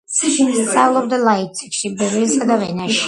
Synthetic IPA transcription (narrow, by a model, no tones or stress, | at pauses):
st̪sʼalˠɔbd̪alˠait̪̚sʰʼɛkʃibɛɾisad̪avɛnaʃi̥